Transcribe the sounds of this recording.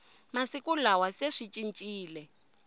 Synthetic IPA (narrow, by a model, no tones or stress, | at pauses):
masikulawaseʂit͡ʃʼint͡ʃʼiːlɛ